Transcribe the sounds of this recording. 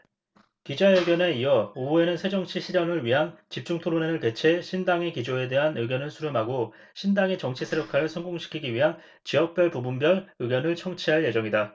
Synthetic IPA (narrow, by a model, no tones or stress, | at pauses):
kid͡ʑaɯɡjʌne̞iʌoue̞nɯnsʰe̞d͡ʑʌŋt͡ɕʰiɕʰiɾʌŋɯɭɥiɦant͡ɕip̚t͡ɕ͈uŋtʰoɾonenɯɭte̞t͡ɕʰe̞ɕʰindaŋe̞kid͡ʑoe̞de̞ɦanɯɡjʌnɯɭsʰuɾɯmaɡo | ɕʰindaŋe̞t͡ɕʌŋt͡ɕʰisʰeɾjokʰasʰʌŋɡoŋɕʰi̥kʰiɡiɥiɦan | t͡ɕiɦʌk̚p͈jʌɭpubunbjʌɭɯɡjʌnɯɭt͡ɕʰʌŋt͡ɕʰiɦaɭje̞d͡ʑʌŋida